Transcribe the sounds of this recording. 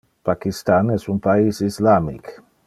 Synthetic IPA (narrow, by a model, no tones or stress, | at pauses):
pakist̪anɛsunpaisislamḭk